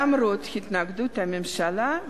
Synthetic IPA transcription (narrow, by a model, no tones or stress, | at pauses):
amɾot̪hit̪naɡd̪ut̪amemʃala